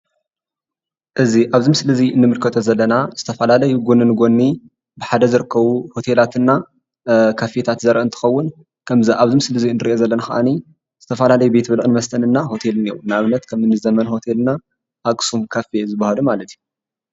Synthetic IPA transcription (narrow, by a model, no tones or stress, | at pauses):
ʔɨziʔaβzimsɨlɐziɨnːɨmɨlkʰɐt̪ʰozɐlːɐnaz̥ɨt̪ʰɐfɐlalɐjuɡo̞nːɨnɨɡo̞nːi | bɨħad̪ɐzɨɾɨkʰːɐβuho̞t̪ʰe̞lat̪ʰɨnːa | kʰafe̞t̪ʰat̪zɐɾʔɐɨnt̪ʰɨ̥xɐwːʊn | kʰɐmziʔaβzimsɨlɐziɨnːɨɾiʔezɐlːɐnaxɐʔa̰ni | z̥ɨt̪ʰɐfɐlalɐjube̞t̪bɐlʕɨnmɐst̪ʰɐnɨnːaho̞t̪ʰe̞lniɾunaβnːɐt̪kʰɐmɨnɨzɐmɐnho̞t̪ʰe̞lɨna | ʔakʼsumkʰafe̞zɨbːahɐlumalɐt̪ʰiju